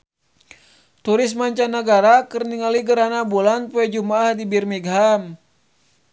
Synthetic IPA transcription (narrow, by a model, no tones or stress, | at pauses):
t̪uɾɪsmaɲt͡ʃanːaɡaɾakɨrniŋaliɡəɾanabulanpuɛd͡ʒumaːhdibirmiɡɦam